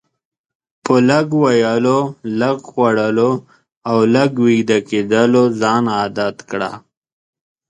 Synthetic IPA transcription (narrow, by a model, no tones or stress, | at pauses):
pəlaɡwajalolaɡxwaɽəlo | awlaɡwid̪aked̪əlozɑːnɑːd̪at̪kɽa̰